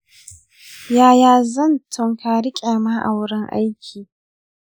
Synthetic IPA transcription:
jaː˨jaː˨zɐ˦˨ntʰʊ˨ŋkʰaː˨ɾɪ˦kʲʼe˨maː˦ʔa˨wɽɪ˦ŋʔa̰˦jkʲʰiː˨

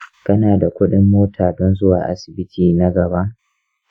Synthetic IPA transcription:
kɐ˦naː˨da˨kʷʊ˦ɗɪ˦mːoː˦tʰaː˨dɔ˦nzʊ˦wa̰ː˨ʔa̰˦sɪ˨bɪ˦tʰiː˨na˦ɡɐ˨ba˦ʔ

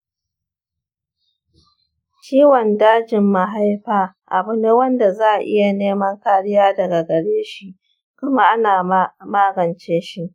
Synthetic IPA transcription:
t͡ʃiː˦wɔ˨ndaː˦d͡ʒɪ˨mːa˨ɦa˦jɸaː˦ | ʔa˨bʊ˦ne˦wɐ˦nda˨zaː˦˨ʔɪ̰˦ja˨neː˦mɐ˦ŋkaː˨ɽɪ˦jaː˦dɐ˨ɡa˨ɡɐ˨ɽeː˦ʃi˦ | kʷʊ˦ma˦ʔa˦naː˨maː˦ɡɐ˨nt͡ʃeː˦ʃi˦ʔ

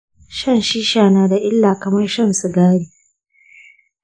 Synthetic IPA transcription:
ʃɐ˦˨nʃiː˦ʃaː˨naː˨da˨ʔɪ˦lːaː˨kɐ˨mɐ˦rʃɐ˦˨nsu˨ɡaː˦ɽiː˨

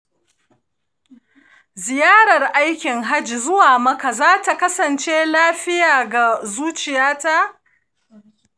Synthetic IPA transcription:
zɪ˨jaː˦ɽɐ˨rʔa˦jkʲɪ˨ŋɦa˦d͡ʒi˨zʊ˦waː˨mɐ˦ka˨zaː˦ta˨kɐ˦sɐ˨nt͡ʃeː˦laː˦ɸɪ˦jaː˨ɡa˨zuː˦t͡ʃɪ˨jaː˦ta˦ʔ

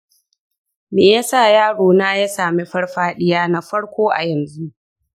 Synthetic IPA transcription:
meː˨jaː˦sa˦˨jaː˦ɽoː˨naː˦ja˦saː˨meː˦ɸɐ˦ɽɸaː˦ɗɪ˦jaː˦na˦ɸɐ˦ɽkʷoː˦ʔa̰˨jɐ˨nzu˦ʔ

